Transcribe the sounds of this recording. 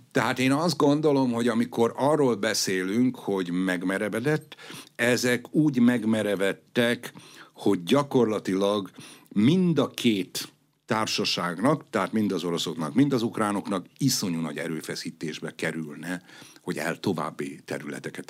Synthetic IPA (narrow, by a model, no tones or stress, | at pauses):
t̪ɛɦaːt̪eːnɒzd̪ɡo̞nd̪o̞lo̞mho̞ɟɒmiko̞ɾɒrːoːlbɛseːlyŋkho̞ɟmɛɡmɛɾɛvɛd̪ɛt̪ːɛzɛkuːɟmɛɡmɛɾɛvɛt̪ːɛkho̞ɟɟɒko̞rlɒt̪ilɒɡmind̪ɒkʰeːt̪ː | aːrʃɒʃaːɡnɒkt̪ɛɦaːt̪mind̪ɒzo̞ɾo̞so̞knɒkmind̪ɒzukraːno̞knɒkiso̞ɲunɒ̰ɟɛ̰ɾøːfɛsiːt̪eːʒbɛkɛɾylnɛho̞ɟɛ̰lt̪o̞va̰ːbːit̪ɛ̰ɾylɛ̰t̪ɛkɛt̪